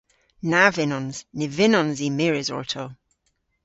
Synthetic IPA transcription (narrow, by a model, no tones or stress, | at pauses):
navɪnɔnz̥nɪvɪnɔnzimɪɹɪzɔ̰ɹtʰo